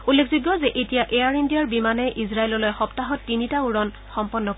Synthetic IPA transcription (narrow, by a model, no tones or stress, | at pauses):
ulːekʰziɡːɔzɛʔetijaʔeaɹindijaɹbimanɛʔizɹaelɔlojxɔptaɦɔtːinitauɹɔn | xɔmpɔnːɔk